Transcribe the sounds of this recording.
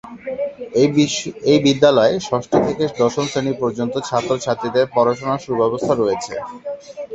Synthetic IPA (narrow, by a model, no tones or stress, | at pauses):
ejbid̪ːalɔeʃɔʃʈot̪ʰeked̪ɔʃomsenipɔɾd͡ʑont̪ot͡ɕʰat̪ːɾoɾt͡ɕʰat̪ːɾid̪eɾpɔɾaʃonaʃubɛbost̪ʰaɾojet͡ɕʰḛ